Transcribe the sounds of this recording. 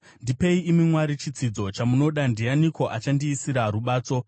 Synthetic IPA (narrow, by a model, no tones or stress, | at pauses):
ndipe̞iːmimwaɾit͡ʃid͡zid͡zo̞t͡ʃamuno̞ɗandijaniko̞ʔat͡ʃandiːsiɾaɾuɓaːt͡so̞